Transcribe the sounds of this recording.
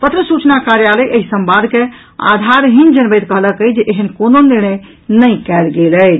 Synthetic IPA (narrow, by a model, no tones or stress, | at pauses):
pət̪ɾəsut͡ʃnakaɾjaləjʔəɦisəmbad̪ʱke | a̰d̪ʱaɾɦind͡ʒənbəjt̪kəɦləkəd͡ʒeʔeɦənkononiɾñəj | nəjkɛlɡelə